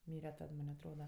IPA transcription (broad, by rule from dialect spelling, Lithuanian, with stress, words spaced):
ˈmʲiːrʲɛ ˈtɐt ˈmɐnʲ ɐtˈroːdɐ